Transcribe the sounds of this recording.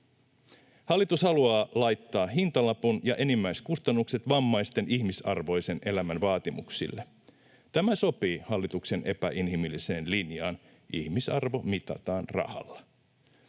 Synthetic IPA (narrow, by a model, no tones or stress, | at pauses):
hɑlːit̪ushɑluɑːlɑjt̪ːɑːɦint̪ɑlɑpunjɑʔe̞nimːæjskust̪ɑnːukse̞t̪ʋɑmːɑjst̪e̞nihmisɑrʋo̞jse̞ne̞læmænʋɑːt̪imṵksḭlːe | t̪æmæso̞piːhɑlːit̪ukse̞nʔe̞pæʔinɦimilːise̞ːnlinjɑ̰ːn | ʔḭhmisɑrʋo̞mit̪ɑ̰t̪ɑːnrɑ̰hɑ̰lːɑ